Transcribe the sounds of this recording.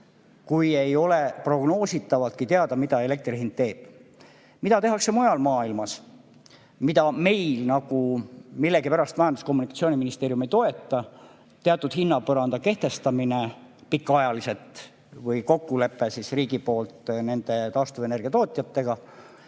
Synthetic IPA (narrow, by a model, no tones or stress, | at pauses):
kuje̞jo̞le̞pro̞ɡno̞ːsit̪ːˑɑvɑlt̪̚kit̪eɑd̪̥ɑmid̪ɑe̞le̞k̚t̪rihind̪̥̚t̪ːe̞ːb̥̚ | mid̪̥ɑt̪e̞ɦɑkse̞mojɑlmɑːilmɑs | mid̪ɑme̞jlnɑɡ̥umilːe̞ɡipæɾɑst̪mæjɑnd̪usko̞mːunikɑ̥tsioːniminist̪e̞ːɾjume̞jt̪o̞e̞t̪ˑːɑ | t̪eɑt̪ːˑud̪̥hinːɑpɤɾɑnd̪ɑke̞ht̪e̞st̪ɑminepikːˑɑjɑlise̞t̪ˑ | vɤjko̞kːule̞pːˑe̞sisriːɡipo̞ːlt̪ne̞nd̪̥e̞t̪ɑːst̪uvene̞rɡ̥iɑt̪o̞ːt̪ʲˑjɑt̪ːe̞ɡ̥ɑ